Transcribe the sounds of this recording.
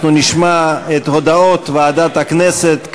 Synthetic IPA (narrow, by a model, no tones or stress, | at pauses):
nuniʃmaet̪ho̞d̪ao̞t̪vead̪at̪haknese̞t̪k